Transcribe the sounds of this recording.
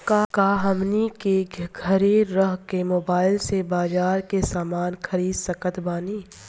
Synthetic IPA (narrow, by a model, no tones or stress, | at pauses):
kakaːɦɐmnikeɡʱəɾeɾəɦkemoːbaːɪlsebaːzaːɾkesaːmaːnxʰɐɾiːd̪sɐkət̪baːniː